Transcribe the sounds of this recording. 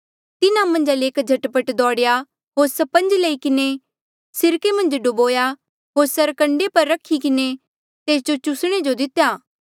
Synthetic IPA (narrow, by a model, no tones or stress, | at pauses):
t̪ɪnamɐ̃nd͡ʒaleeːkd͡ʒʱɐʈpəʈd̪ɔːɽja | ɦoːɾsɐpə̃nd͡ʒlɐikɪne | sɪɾkemɐ̃nd͡ʒɖʊboːja | ɦoːɾsɐɾkɐ̃ɳɖepɐɾːɐkʰikɪne | t̪eːs̬d͡ʒot͡ʃʊsɽ̃ed͡ʒod̪ɪt̪jaː